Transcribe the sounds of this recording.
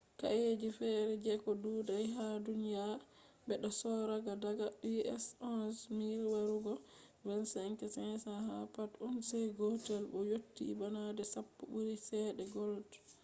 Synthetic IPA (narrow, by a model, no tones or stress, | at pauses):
ka̰jed͡ʒifɛɾɛd͡ʒɛkɔdudajɦadunja | bɛɗɔsɔɾaɡadaɡaiɛ̰sɔsmiɾwaɾuɡɔ | bɛnsŋkɛsɛnsahapatɔnsajɡɔtɛlbɔjotːḭbanadɛsapːuɓuɾisɛɗɛɡɔld